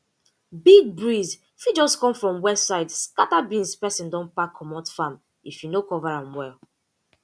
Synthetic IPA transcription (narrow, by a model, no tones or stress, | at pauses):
biɡ̚bɹiz | fid͡ʒɔskɔ̃mfɹɔ̃mwɛssaɪdskatabĩnspɛsĩndɔ̃npakʰːɔmɔtfãm | ifjunokɔvaɹãmwɛl